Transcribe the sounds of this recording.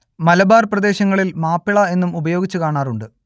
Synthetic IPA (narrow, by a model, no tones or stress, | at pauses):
mɐlɐbaːrprɐd̪e̞ːɕɐŋːɐɭilmaːpːiɭɐe̞nːumubɐjo̞ːɡit͡ɕːukaːɳaːruɳɖɨ